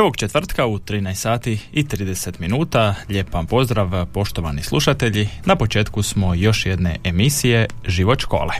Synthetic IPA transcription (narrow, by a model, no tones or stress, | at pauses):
ʋo̞ɡt͡ʃe̞t̪ʋr̩t̪kaut̪ɾiːnajsaːt̪iit̪ɾiːd̪e̞se̞t̪minuːt̪aʎe̞ːpampo̞zd̪ɾaʋpo̞ʃt̪oʋanislˠuʃat̪e̞ʎinapo̞t͡ʃe̞ːt̪kusmo̞jo̞ʃjed̪ne̞̰ʔemisije̞ | ʒiʋo̞t̪ʃko̞̰ːlḛ